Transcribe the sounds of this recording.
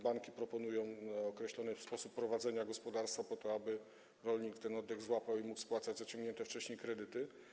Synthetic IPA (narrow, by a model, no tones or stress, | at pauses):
baŋkʲipɾɔpɔnujɔ̃w̃ɔkɾɛɕlɔnɨspɔsupːɾɔvad̪zɛɲaɡɔspɔd̪aɾst̪fapɔt̪ɔabɘ | ɾɔlʲɲikt̪ɛnɔd̪ːɛɣzwapawimukspwat̪sad͡ʑzat͡ɕɔ̃ŋɡɲɛnt̪ɛft͡ʂɛɕɲejkɾɛd̪ɘt̪ɘ